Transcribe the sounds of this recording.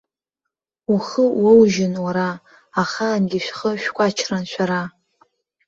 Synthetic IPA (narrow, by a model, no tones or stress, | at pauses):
uχəwowʒɪnwaɾaː | χaːnɡʲɪʃᶣχəʃᶣkʷʼat͡ʃʰranʃʷʰᶣaɾa